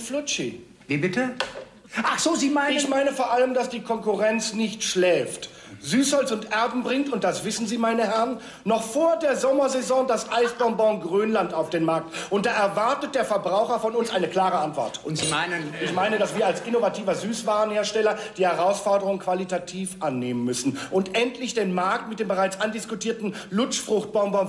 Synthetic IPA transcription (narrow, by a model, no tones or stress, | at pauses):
flʊt͡ʃi | viːbɪtə | ʔaχz̥oːziːmaɪɪçmaɪnəfoːɐʔaləmdasd̥iːkʰɔŋkʊʁɛnt͡snɪçtʃlɛːft | zyːshɔlt͡sʊntʔɛɐbm̩bʁɪŋtʊnt̚d̥asv̥ɪsn̩ziːmaɪnəhɛʁnː | ɔχfoːɐdeːɐzɔmɐzɛzɔ̃ːdasʔaɪsbɔnbɔ̃ʊnɡʁøːnlantaʊfd̥eːnmaɐk̚tʔʊntd̥aːʔɛɐvaɐtət̚d̥eːɐfɛɐbʁaʊxɐfɔnʊnsʔaɪnəkl̥aːʁəantv̥ɔ̰ɐt | ɪçmaɪnədasv̥iːɐalsʔɪnovatʰiːvɐzyːsv̥aːʁənheːɐʃtɛlɐd̥iːhɛʁaʊsfɔɐdəʁʊŋənkv̥alitatʰiːfʔanːeːmənmʏsn̩ʔʊntʔɛntʰlɪçd̥eːnmaɐk̚tmɪt̚d̥eːmbəʁaɪt͡sʔandɪskutiːɐtn̩lʊt͡ʃfʁ̥ʊχt̚b̥ɔʊmbɔ̃ʊ